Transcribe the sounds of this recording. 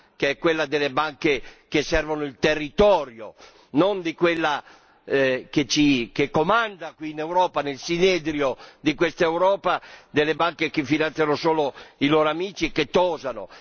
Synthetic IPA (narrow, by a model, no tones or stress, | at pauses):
keɛkwelːad̪elːebaŋkekesɛrvonʊilt̪erːit̪ɔːɾjo̰ | nond̪ikwelːa | ket͡ʃikekːomand̪akwiːnɛwɾɔːpanelsinɛd̪ɾjod̪ikwest̪aɛwɾɔːpad̪elːebaŋkekefinant̪θjanosoːloiloːɾoamiːt͡ʃiɛkːet̪ːɔːzano̰